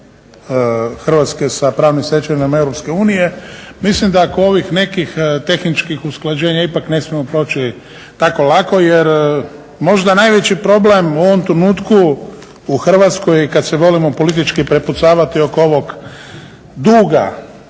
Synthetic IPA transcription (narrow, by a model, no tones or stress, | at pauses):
xr̩ʋat̪ske̞sapɾaːʋnimsʋe̞t͡ʃaɲnamaeʋɾo̞pske̞uːnije̞mislimd̪aːkoo̞ʋixne̞kixt̪e̞xnit͡ʃkixusklad͡ʑe̞ːɲaipakne̞smimopɾo̞ːt͡ʃi | t̪ako̞lako̞jeɾ | mo̞ʒd̪anajʋe̞t͡ɕipɾo̞ble̞muo̞ʋomt̪ɾenuːt̪kuː | xr̩ʋat̪skojikad̪sɛʋo̞limo̞po̞lit̪̬it͡ʃkipɾeput̪saːʋat̪ioko̞ʋo̞ɡ | d̪uːɡa̰